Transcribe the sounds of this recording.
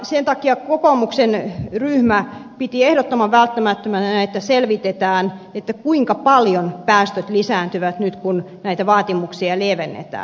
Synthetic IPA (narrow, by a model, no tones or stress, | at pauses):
sent̪ɑkiɑkokomuksenryhmæpit̪iehdot̪ːomɑʋʋælt̪ːæmæt̪ːømænæet̪ːæselʋit̪et̪æːnet̪ːækuiŋkɑpɑljonpæːst̪øt̪lisæːnt̪yʋæt̪nyt̪kun | næit̪æʋɑːt̪imuksiɑlieʋenːḛt̪ɑ̰ːn